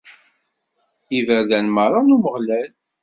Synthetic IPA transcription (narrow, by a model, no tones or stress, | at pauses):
ivæðænməɾˤɑnuməʁlæl